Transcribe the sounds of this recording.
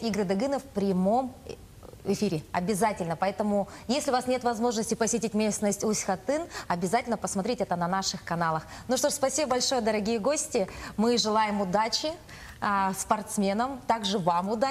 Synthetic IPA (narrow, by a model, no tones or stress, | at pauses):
iɡɾɨd̪ɐɡɨnəfpɾʲɪmo̞m | ɪfʲiɾʲɪɐ̰bʲɪzatʲɪlʲnəpɐɛt̪əmʊ | jesʲlʲɪʊvasnʲe̞t̪vɐzmo̞ʐnəsʲtʲɪpəsʲɪtʲitʲmʲesnəsʲtʲʊsʲxɐt̪ɨnɐbʲɪzatʲɪlʲnəpəsmɐt̪ɾʲetʲɛt̪ənɐnaʂɨxkɐnalˠəxnuʂt̪o̞ʂspɐsʲibəbɐlʲʂo̞jəd̪əɾɐɡʲijəɡo̞sʲtʲɪmɨʐɨlˠajɪmʊd̪at͡ɕɪ | spɐrt̪smʲenəmt̪aɡʐɨvamʊd̪a